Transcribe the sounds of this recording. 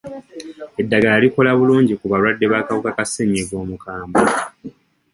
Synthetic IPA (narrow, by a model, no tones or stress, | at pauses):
e̞dːaɡalaliko̞laβuluːɲɟikuβalwadːe̞βaːkawukakaseɲeɡo̞ːmukaːmbo